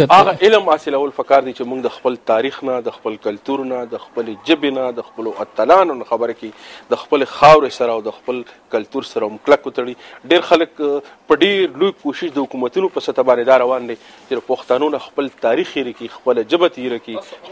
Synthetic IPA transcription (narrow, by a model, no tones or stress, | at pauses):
aɣaʔɪlmɑsɪlawəlfakɑɾd̪et͡ʃemuŋɡd̪əxpəlt̪ɑɾixnad̪əxpəlkalt̪uɾnad̪əxpəled͡ʒəbenad̪əxpəloʔat̪alɑnonaxabəɾaked̪əxpəlexɑwɾesaɾaːwd̪əxpəlkalt̪uɾsaɾamklakot̪aɽiɖeɾxaləkpəɖeɾlojkoʃɪʃd̪əhʊkumat̪unopəsat̪abɑnd̪ed̪ɑɾawɑnd̪e | t͡ʃed̪apaxt̪anonaxpəlt̪ɑɾixiɾakixpəlad͡ʒəbat̪iɾaki